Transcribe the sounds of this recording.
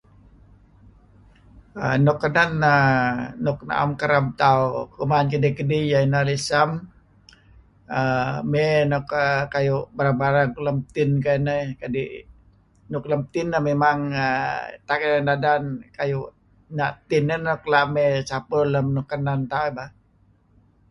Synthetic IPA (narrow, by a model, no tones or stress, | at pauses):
ə̰nukːənananuk̚na̰ʔa̰mkaɾamt̪aukumankədikədijainalisam | əmenɔkəkajubaɾabaɾakləmt̪ɪnkanəkadi | nukləmt̪inːamemaŋət̪akədandadankaju | nat̪inənɔklamesapələmnukənant̪awiba